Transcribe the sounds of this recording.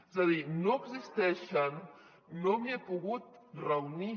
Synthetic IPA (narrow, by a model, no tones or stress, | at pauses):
ezaðinoəɡzist̪ɛʃənː | omiepuɣut̪̚rəwni